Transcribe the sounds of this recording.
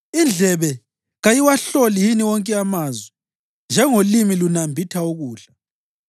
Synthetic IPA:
ind͡ɮʱɛβɛ | ɣajiwaɬolijiniwɔŋkʼɛamazwɛ | nd͡ʒʱɛŋolimilunambʱitʰauɣuːɬa

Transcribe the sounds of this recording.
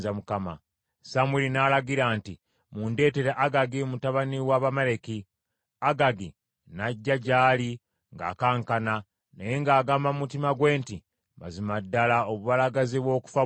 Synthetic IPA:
zamukama̰ | samwilinaːlaɡiɾaːnti | muːnde̞ːte̞ɾeʔaɡaɡimutaβaniwaːβameɾe̞ki | aɡaɡi | naɟːaɟaːli | ŋɡa̰ːkaːŋkana | nejeŋɡaːɡaːmbamumutimaɡwe̞ːnti | ma̰zimadːalaoβuβalaɡaziβwo̞ːku̥fa

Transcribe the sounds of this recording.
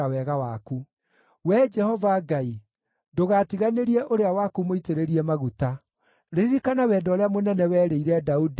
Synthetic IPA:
awɛɣawaku | wɛd͡ʒɛhɔvaɡai | doɣatiɣaneɾiɛʔoɾeawakumoiteɾeɾiɛmaɣuta | ɾeɾiɾikanawɛːdɔːɾeamonɛnɛwɛːɾeiɾɛdaud

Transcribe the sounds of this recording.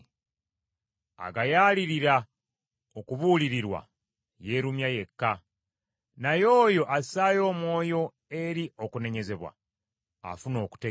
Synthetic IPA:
a̰ɡajaːliɾiɾa | okuβuliɾiɾwa̰ | je̞ɾumjaje̞kːa | najo̞ːjo̞ʔasaːjo̞ːmwo̞ːjo̞ | e̞ɾio̞kune̞ɲe̞ze̞βwa̰ | a̰funo̞ːku̥te

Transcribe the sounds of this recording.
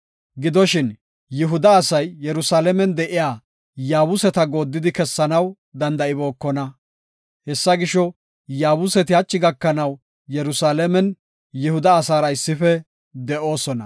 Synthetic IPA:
ɡɪd̪ɔʃɪn | jɪɦʊd̪ɐːsɐjːɛɾʊsaːlɛmɛnd̪ɛʔɪjaː | jaːwʊsɛt̪ɐɡo̞ːd̪ːɪd̪ɪkɛsːɐnɐw | d̪ɐnd̪ɐʔɪbo̞ːkːɔnɐ | hɛsːɐɡɪʃɔ | jaːwʊsɛt̪ɪhɐt͡ʃːɪɡɐkːɐnɐw | jɛɾʊsaːlɛmɛn | jɪhʊd̪ɐːsaːɾɐɪsːɪfɛ | d̪ɛʔo̞ːsɔnɐ̰

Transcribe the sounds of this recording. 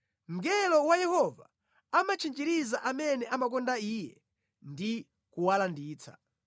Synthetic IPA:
ŋɡɛlɔwajɛhɔva̰ | amat͡ʃʰind͡ʒiɾizaʔamɛnɛʔamakɔndaiːjɛ | ndi | kuwalandiːt͡sḁ̰

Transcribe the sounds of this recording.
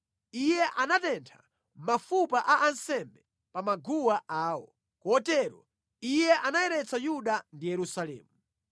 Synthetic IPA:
ijɛʔanatɛntʰḁ̰ | mafupaʔaʔansɛmbɛ | pamaɡuwaʔaːwɔ̰ | kɔtɛɾɔ̰ | ijɛʔanajɛɾɛt͡sʰajuɗandijɛɾusalɛ̰ːmu

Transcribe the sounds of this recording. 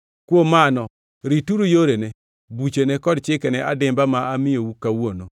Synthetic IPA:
kwomanɔ | ɾituɾujoɾene | but͡ʃenekɔdt͡ʃɪkenɛʔadɪmbamaamɪjowukawono

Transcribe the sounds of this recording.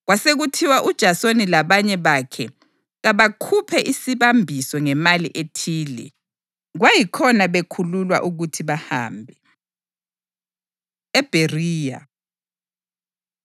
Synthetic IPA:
ɣwaseɣutʰiwaʔud̥ʒ̥ʱasonilaβaɲɛβakʰɛ | ɣaβakʰupʰɛʔisiβambʱisɔŋɛmaliʔetʰiːlɛ̰ | ɣwajikʰɔnaβekʰululwa̰ʔuɣutʰiβaha̰ːmbʱɛ | ɛb̥ʱeriːja̰

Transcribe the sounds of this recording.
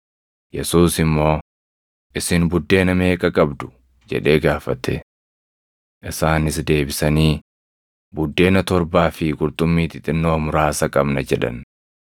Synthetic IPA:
jɛsuːsɪmːo̞ː | ʔɪsɪnbʊd̪ːe̞ːnɐme̞ːkʼɐkʼɐbd̪ʊ̥ | d͡ʒɛ̰ᶑe̞ːɡaːfɐt̪ɛ̰ | ʔɪsaːnɪsd̪e̞ːbɪsɐniː | bʊd̪ːe̞ːnɐt̪ɔɾbaːfɪɡʊɾt̪ʼʊmːiːt̪ɪt̪ʼɪnːoːmʊɾaːsɐkʼɐbnɐd͡ʒɛᶑɐ̰n

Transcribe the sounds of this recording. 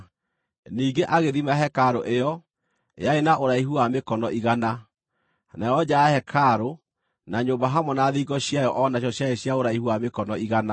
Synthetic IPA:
niːɡeʔaɣeðimaɦɛkaɾoʔejɔ | jaenaʔoɾaihuamekɔnɔʔiɣana | najɔd͡ʑaːhɛkʰaɾo | naɲoːbaɦamɔnaðiːɡɔɕjajɔʔɔnaɕ̬jɔɕjaeɕjaoɾaihuamekɔnɔiɣana

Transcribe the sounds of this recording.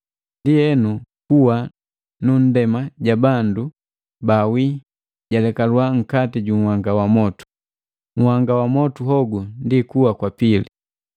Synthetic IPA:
ndijɛnukuwa | nun̩dɛmaɟabandu | bawi | ɟalɛkalwaŋ̩katiɟuŋ̩waŋɡawamɔtu̥ | ŋ̩waŋɡawamɔtuɦɔɡundikuwakwapili

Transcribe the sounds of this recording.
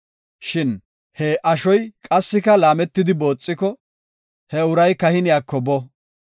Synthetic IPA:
ʃɪn | hɛʔɐʃɔjkʼɐsːɪkɐlaːmɛt̪ːɪd̪ɪbo̞ːt͡sʼːɪkɔ | hɛʊɾɐjkɐhɪnɪjaːkːɔbɔ

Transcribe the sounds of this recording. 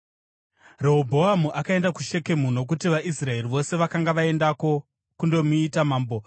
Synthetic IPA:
reɦobʱo̞ɦamuʔakae̞ndakuʃe̞ke̞muno̞k̬utiʋaʔisrae̞riʋo̞se̞ʋakaŋɡaʋae̞ndako̞ | kundo̞muitamaːmbo̞

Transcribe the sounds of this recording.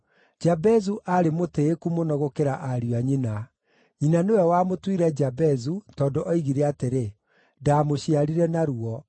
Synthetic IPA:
d͡ʒabɛzuʔaɾemoteːkumonɔɣokeɾaʔaɾijaɲina | ɲinanewɛwamotwiɾɛd͡ʒabɛzutɔːndoʔɔiɣiɾeateɾe | daːmoɕiaɾiɾɛnaɾuɔ

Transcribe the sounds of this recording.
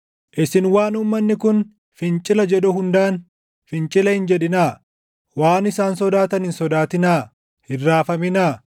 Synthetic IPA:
ʔɪsɪnwaːnʊmːɐnːɪkʊn | fɪnt͡ʃʼɪlɐd͡ʒɛᶑʊhʊnd̪aːn | fɪnt͡ʃʼɪlɐhɪnd͡ʒɛᶑɪnaː | waːnɪsaːnsɔd̪aːt̪ɐnɪnsɔd̪aːt̪ɪnaː | hɪrːaːfɐmɪnaː

